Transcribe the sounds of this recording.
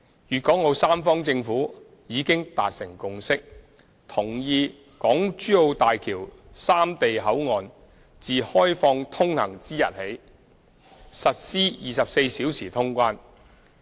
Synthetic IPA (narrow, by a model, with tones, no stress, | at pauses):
jyː˨t̚kʷɔ˨˥ŋɔ˨˧wsaː˥mfɔː˥ŋt͡sɪ˧ŋfuː˨˥ | jiː˨˧kɪ˥ŋt̪a̰ː˨t̚sɪ˨˩ŋkʊ˨ŋsɪ˥k̚ | t̪ʰʊ˨˩ŋjiː˧ | kɔː˨˥ŋt͡ʃyː˥o˧wt̪aː˨jkʰiː˨˩wsaː˥mt̪e˨jɦɐ˨˥wŋɔː˨n | t͡siː˨hɔː˥jfɔː˧ŋt̪ʰʊ˥ŋhɐ˨˩ŋt͡siː˥jɐ̰˨t̚he˨˥j | sɐ˨t̚siː˥jiː˨sɐ˨p̚se˧jsiː˨˥wsiː˨˩t̪ʰʊ˥ŋkʷaː˥n